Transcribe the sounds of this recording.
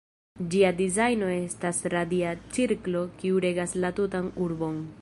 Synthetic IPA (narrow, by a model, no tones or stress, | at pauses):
d͡ʒiadizajno̞e̞stasɾadiat͡siɾklo̞kiuɾe̞ɡaslatutanuɾbo̞n